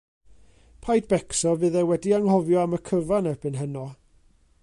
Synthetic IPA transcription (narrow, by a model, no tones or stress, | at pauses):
pʰajdb̥ɛksɔvɨðɛwɛdiaŋɦɔvjɔaməkʰəvanɛbɨnɦənɔ